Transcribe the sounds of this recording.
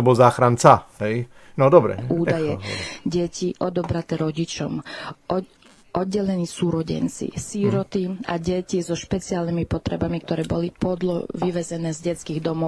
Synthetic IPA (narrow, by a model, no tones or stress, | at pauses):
ɔbɔlzaːxɾant͡saɦɛj | nɔd̪ɔbɾɛ̰ʔuːd̪ajɛɟɛciʔɔd̪ɔbɾat̪ɛɾɔɟit͡ʃɔm | ʔɔd̪̚ɟɛlɛniːsuːɾɔɟɛ̰nt͡sḭsiɾɔt̪iaɟɛcizɔʃpɛt͡sialnimipɔt̪ɾɛbamik̚t̪ɔɾɛːbɔlipɔd̪lɔ̰ʋiʋɛzɛnɛːzɟɛt͡skiːɣd̪ɔmɔ